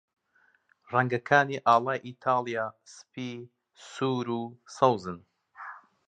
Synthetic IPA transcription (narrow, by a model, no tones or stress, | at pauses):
raŋɡɐkʰaːniʔaːlˠaːjʔiːt̪ʰaːlˠijaːsɨ̥piː | suːɾuːsɐwzɨn